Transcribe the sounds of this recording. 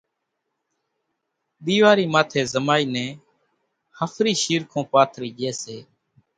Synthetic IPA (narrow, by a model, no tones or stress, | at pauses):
ɗ̪iːʋaːɾiːmaːt̪ʰeːzəmaːiːnɛ̃ː | həfʰɾiːʃiːɾkʰõːpaːt̪ʰɾiːʄeːseː